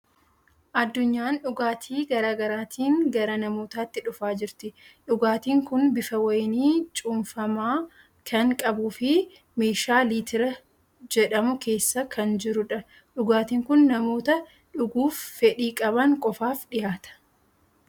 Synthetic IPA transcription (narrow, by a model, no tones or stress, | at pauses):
ʔɐd̪ːʊɲːaːnᶑʊɡaːt̪ʰiːɡɐɾaːɡɐɾaːt̪ʰiːŋɡɐɾɐnɐmoːt̪aːt̪ːɪᶑʊfaːd͡ʒɪɾt̪ɪᶑʊɡaːt̪iːŋkʊnbɪfɐwɐjniːt͡ʃʼuːnfɐmaː | kʰɐŋkʼɐbuːfɪ | meːʃaːliːt̪ʰɪɾɐ | d͡ʒɛᶑɐmʊke̞ːsːɐkʰɐnd͡ʒɪɾʊᶑɐ | ᶑʊɡaːt̪iːŋkʊnːɐmo̞ːt̪ɐ | ᶑʊɡuːfːɛᶑiːkʼɐbɐŋkʼɔfaːfᶑɪjaːt̪ɐ̥